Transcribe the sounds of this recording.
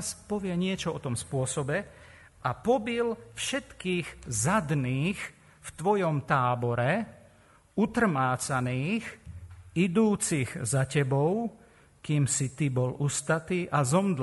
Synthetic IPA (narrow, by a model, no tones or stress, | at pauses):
spɔʋɪɛɲɪɛt͡ʃɔɔt̪ɔmspʊɔsɔbɛ | ʔapɔbilfʃɛt̪kiːɣzad̪niːx | ft̪ʋɔjɔmt̪aːbɔɾɛ | ut̪r̩maːt͡saniːx | id̪uːt͡siɣzacɛbɔʊ | kiːmsit̪ibɔlust̪at̪iːʔazɔmd̪l